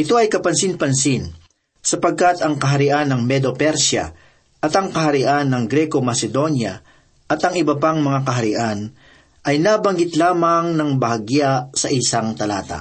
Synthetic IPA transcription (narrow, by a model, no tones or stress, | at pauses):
ʔɪt̪o̞ʔɐjkɐpɐnsinpɐnsin | sɐpɐɡ̚kat̪ɐŋkɐɦɐɾɪʔanːɐŋmɛd̪opɛɾʃjɐ̰ | ʔɐt̪ɐŋkɐɦɐɾɪʔanːɐŋɡɾɛko̞mɐsɛd̪o̞njɐ | ʔɐt̪ɐŋʔɪbɐpaŋmɐŋakɐɦɐɾɪʔan | ʔɐjnabɐŋɡɪt̪laːmɐŋnɐŋbɐɦɐɡjasɐʔɪsaŋt̪ɐlaːt̪ɐ̰